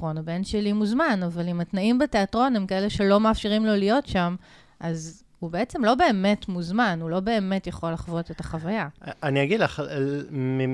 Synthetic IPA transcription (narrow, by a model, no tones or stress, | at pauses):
onabe̞nʃelimuzmanavalimatnaimbete̞atʁo̞nhemkae̞le̞ʃe̞lo̞maːfʃiʁimlo̞lijo̞tʃam | ʔaz | hubeet͡se̞mlo̞be̞ːme̞tmuzmanulo̞be̞ːme̞tjaχo̞laχvo̞te̞taχavajaaniaɡidlaχ | mi